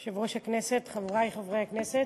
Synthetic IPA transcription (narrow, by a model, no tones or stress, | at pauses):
ʃevʁoʃhakneset̪χavʁajχavʁejakneset